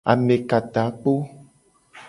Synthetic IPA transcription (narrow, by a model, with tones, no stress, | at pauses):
a̰˨mẽ˨ka˨t̪a˨˦k͡po˦